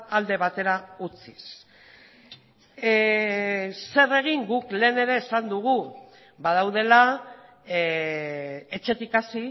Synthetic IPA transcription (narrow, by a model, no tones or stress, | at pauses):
ald̪e̞βat̪e̞ɾaut͡sis | se̞re̞ɣ̞iŋɡukle̞ːne̞ɾe̞ːsand̪uɣ̞u | bað̞awðe̞la | et͡ʃe̞t̪ikasi